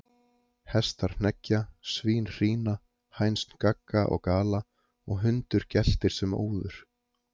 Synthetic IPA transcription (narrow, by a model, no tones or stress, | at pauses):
hɛst̪aɾ̥n̥ɛcːasviːnr̥iːna | hajnstn̥kakːaʔɔ̰ɣkaːla | ɔɣɦʏnt̪ʏɾ̥cɛl̥t̪ɪɾ̥sɛmo̰ːwðʏɾ̥